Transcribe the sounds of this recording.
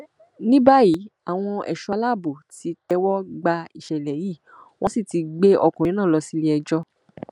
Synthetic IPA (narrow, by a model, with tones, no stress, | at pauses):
nĩ˦ba˦ji˨˦a˨w̃ɔ̃˧ɛ̰˨ʃa˧la˦˨bo˨ti˨˧tɛ˧wɔ˦ɡ͡ba˧i˨ʃɛ˨lɛ˨jiː˦˨ | w̃ɔ̃˦si˦˨ti˨˧ɡ͡be˦ʔɔ˧kɔ̃˨˦nãː˦˨lɔ˧si˦le˦ɛ˧d͡ʒɔ˧˦